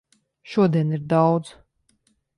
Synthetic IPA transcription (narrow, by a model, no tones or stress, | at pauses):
ʃuɔd̪iɛniɾd̪awd̪z